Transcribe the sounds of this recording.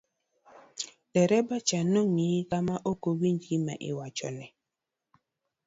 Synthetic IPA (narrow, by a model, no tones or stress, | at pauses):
dɛɾɛbat͡ʃanoŋikamaʔokowiɲd͡ʒima̰ʔɪ̰wat͡ʃɔ̰nɛ